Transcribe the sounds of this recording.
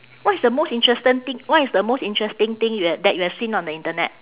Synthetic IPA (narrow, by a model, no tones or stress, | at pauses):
wɔtisdəmostĩntɹɛstə̃nt̪ɪ̃ŋwɔisdəmosĩntɹɛstɪ̃ŋt̪ɪ̃ŋjuɛdɛt̚juɛsĩnɔ̃ndəĩntənɛ̰t̚